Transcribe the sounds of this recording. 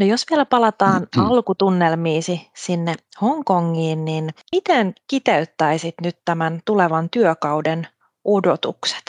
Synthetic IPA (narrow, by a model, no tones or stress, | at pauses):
nojosʋielæpɑlɑt̪ɑːnɑlkut̪unːelmiːsisinːe | hoŋkoŋːiːnninmit̪eŋkit̪eyt̪ːæisit̪nyt̪tːæmænt̪uleʋɑnt̪yøkɑwden | odot̪ṵkse̥t̪